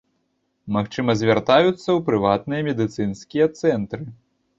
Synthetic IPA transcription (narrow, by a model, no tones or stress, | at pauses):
maxt͡ʂɨmɐzʲvʲart̪ajut̪sːɐwpɾɨvat̪nɨjɐmʲɛd̪ɨt̪sɨnsʲkʲijɐt̪sɛnt̪ɾɨ